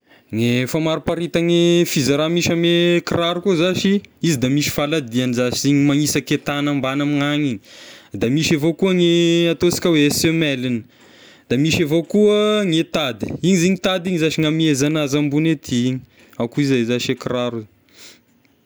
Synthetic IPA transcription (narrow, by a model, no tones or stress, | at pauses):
ŋefamaɾupaɾit̪aŋefizaɾamiʃamekiraɾukuzaʃiizid̪amiʃi̥falad̪ianizaʃiz̥iɲimaŋisəket̪anambanamiŋaɲiɲd̪amiʃevokuəŋeat̪osi̥kʲəwesemɛlinə̥ | d̪̥amiʃevokuəŋet̪ad̪i̥iɲiziɲit̪ad̪iɲizaʃiŋamiezanazambunet̪ʰiiɲi | awkuizazaʃekiɾaɾu